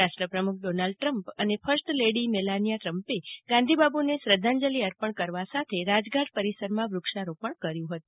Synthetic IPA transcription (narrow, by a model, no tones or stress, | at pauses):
aʃʈɾəpɾəmukʰɖonalɖ̚ʈɾəmpənefʰəɾsʈleɽimelanijaʈɾəmpeɡãnd̪ʱibabunesɾəd̪ʱãɲd͡ʒəliəɾpəɳkəɾʋasat̪ʰeɾad͡ʒɡaʈ̚pəɾisəɾmãʋɾukʃaɾopəɳkəɾjũɦət̪ũ